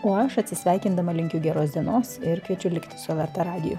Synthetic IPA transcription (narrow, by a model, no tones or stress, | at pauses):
oːɐʃɐt̪ʲsʲɪsʲʋʲæˑɪkʲɪnd̪ɐmɐlʲɪŋʲkʲʊɡʲɛɾoːsʲd̪ʲiɛnoːsɪɾkʋʲiɛt͡ʃʲʊlʲɪkt̪ʲɪ̥sʊʋʲɛɾt̪ɐɾɑːɡʲɪ̰jʊ̰